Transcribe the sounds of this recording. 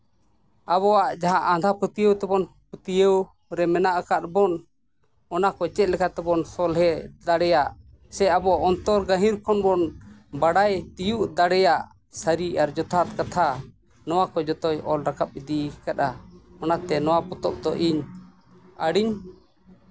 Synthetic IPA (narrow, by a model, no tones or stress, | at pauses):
aβɔwaʔd͡ʒaɦãʔad̪ʱaput̪ijəwt̪ɛbɔn | put̪ijəw | ɾɛmɛnaʔəkat̪̚bɔn | ɔnakɔt͡ʃɛt̪̚lɛkat̪ɛbɔnsɔlɦɛd̪aɽɛjaʔ | sɛabɔaʔɔnt̪ɔɾɡaɦĩɾkʰɔnbɔnbaɽajt̪ijuʔd̪aɽɛjaʔ | səɾiaɾd͡ʒɔt̪ʰat̪̚kat̪ʰa | nɔwakɔd͡ʒɔt̪ɔjʔɔlɾakap̚ːid̪ikat̪aɔnat̪ɛnɔwapɔt̪ɔp̚d̪ɔʔiɲ | əɽiɲ